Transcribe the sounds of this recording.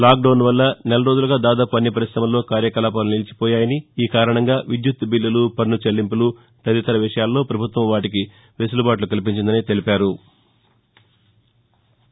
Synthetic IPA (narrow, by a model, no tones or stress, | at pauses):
laːk̚ɖɐwnʋɐlːɐnɛlɐɾo̞ːd͡ʒuluɡaːd̪aːd̪aːpuɐnːipɐɾisɾɐmɐlːo̞ːkaːɾjɐkɐlaːp̬ɐːɾunilit͡ʃi̥pɔːjaːjɐniiːkaːɾɐɳɐŋɡaːʋid̪jut̪ːbilːɐlupɐɾnut͡ʃelːimpulu | t̪ɐd̪it̪ɐɾɐʋiʂɐjaːlːo̞ːpɾɐbʱut̪ʋɐmʋaːʈik̬i | ʋesulubaːʈ̬lukɐlip̬iɲt͡ʃind̪ɐniːt̪e̞lipaːɾu